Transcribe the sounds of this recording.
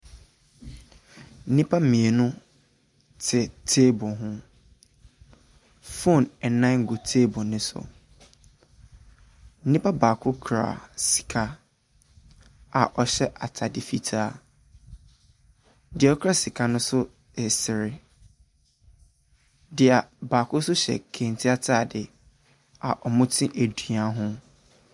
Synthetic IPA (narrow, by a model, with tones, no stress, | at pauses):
n̩˦nĩ˦pʰa˦m̩˦mĩ˨e˨nʊ̃˦ | tʰɪ˨tʰeː˦bɔ˨ɦʊ̃˦ | fo˦˨nɛ˨nã˦ŋ̩˨ɡo˨tʰeː˦bɔ̃˨nɪ̃˦sʊ̰˨ | n̩˦nĩ˦pʰa˦baː˨kʰʊ˦kʰɾa̰˨si̥˨kʰa˦ | a˨ʔɔ˨ɕɛ˦ʔa˨tʰa˨dɪ˨fi˦tʰaː˦˨ | dɪ˨ɔ˦kʰa˦˨si˨kʰa˦nʊ̃˦sʊ˦ | ɛ˨sɪ˨ɾɪ˨ | dɪ˨a˨baː˨kʰʊ˦sʊ˦ɕɛ̰˨kʰẽ˨n˨tʰɪ˦a˦tʰaː˦˨dɪ˨ | a̰˨ʔɔ˨mʊ̃˦tʰɪ̃˦ʔæ˨du˨a˦ɦʊ̃˦